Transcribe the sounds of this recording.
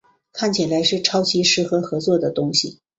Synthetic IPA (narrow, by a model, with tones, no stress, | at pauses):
kʰa˥˩nt͡ɕʰi˨˩la˧˥ɪʂɻ̩˥˩ʈ͡ʂʰɑ˥ʊt͡ɕʰi˧˥ʂɻ̩˧˥xɤ˧˥xɤ˧˥t͡swɔ˥˩d̪ə˩t̪ʊ˥ŋɕi˨˩